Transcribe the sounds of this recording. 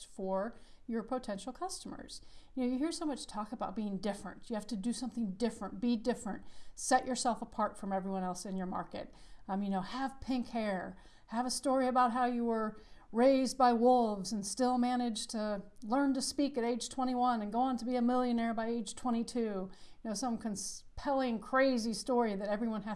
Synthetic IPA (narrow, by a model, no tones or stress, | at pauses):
fə˞jə˞pʰoʊtʰɛ̃nʃl̩ˠkʰʌstəmə̰˞z̥jɨnoʊjɨɦiɹsõʊmʌt͡ʃtʰɔkəbaʊt̚b̥iɪ̃ŋdɪfɹɨ̰̃ntjɨhæftɨdɨsʌ̃mθɪ̃ŋdɪfɹə̃nt̚b̥idɪfɹɨ̃nt̚sɛt͡ʃə˞sɛlˠfəpʰɑɹtfɹʌ̃mɛvɹiwʌ̃nɛlˠsɨ̃njə˞mɑ̰ɹkɨ̰t̚jɨnoʊəv̥pʰɪ̃ŋkhɛɹ | ɨvəstɔɹiɨbaʊt̚ɦaʊjɨwə˞ɹeɪzbaɪwʊlˠvzɨ̃n̩stɪlˠmæñɨdd͡ʒ̥tʰɨlɜ̃˞ntɨspikɨɾeɪd̥ʒ̥tʰw̥ɛ̃ɾ̃iwʌ̃nɨ̃nɡoʊə̃ntʰəbiɨmɪlˠjɨ̃nɛɹbaɪeɪd̥ʒ̥tʰw̥ɛ̃ɾ̃itʰʉjɨnoʊsʌ̃mkʰɨ̃nspʰɛlˠɪ̃ŋkʰɹ̥eɪzistɔɹiðɨɾɛvɹiwʌ̃n